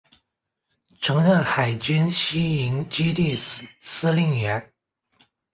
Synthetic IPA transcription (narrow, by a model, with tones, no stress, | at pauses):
ʈ͡ʂʰɤ˧˥ŋɻə˥˩nxa˨˩ɪt͡ɕy˥nɕi˥i˧˥ŋt͡ɕy˥t̪i˥˩sɹ̩˨˩˦sɹ̩˥li˥˩ŋɥɛ˧˥n